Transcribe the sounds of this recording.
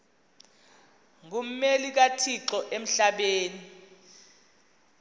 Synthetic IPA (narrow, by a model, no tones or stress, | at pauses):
ŋum̩melik̬atʰiǁɔʔem̩ɬaɓeːni